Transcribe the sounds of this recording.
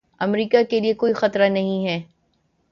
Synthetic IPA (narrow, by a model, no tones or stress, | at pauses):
ɐmɾiːkakeliekoːixɐt̪ɾanɐɦĩɦɛː